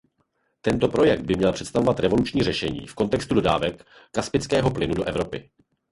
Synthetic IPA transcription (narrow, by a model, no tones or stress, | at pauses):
t̪ɛnt̪o̞pɾo̞jɛk̚d̪̚bɪmɲɛlpr̝̥ɛt̪st̪avo̞vat̪ɾɛvo̞lut͡ʃɲiːrɛʃɛɲḭːfko̞nt̪ɛkst̪udoda̰ːvɛkː | aspɪt͡skɛːɦo̞plɪnudo̞ʔɛvɾo̞pɪ̰